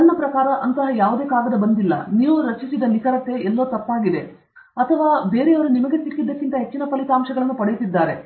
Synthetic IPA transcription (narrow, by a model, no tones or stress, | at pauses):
ɐnːɐpɾɐkaːɾɐʔɐnt̪ɐɦɐjaːʋud̪e̞ːkaːɡɐd̪ɐbɐnd̪ilːɐ̰niːʋuɾɐt͡ʃisid̪ɐnisɐɾɐt̪ːe̞ɛlːɐːt̪ɐpːaːɡid̪e̞ | ɐt̪ʰɐʋaːbe̞ːɾeɐʋɐɾunimɐɡe̞t̪ikːid̪ːɐkːint̪ɐɦe̞t͡ʃːinɐpɐlit̪aːmʃɐɡɐɭɐnːupɐɽejut̪id̪ːaːɾe̞